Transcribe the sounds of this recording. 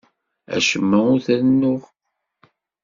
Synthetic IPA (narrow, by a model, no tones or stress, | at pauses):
æ̰ʃəmːæʊɾθæɾnːʊʁ